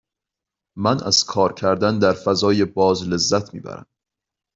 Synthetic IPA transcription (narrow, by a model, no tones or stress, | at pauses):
mænʔæ̰z̥kʰɒːɾcʰæɾd̪ænd̪æɾfæzɒːje̞bɒːzle̞zːæt̪ʰmḭːbæ̰ɾæ̰m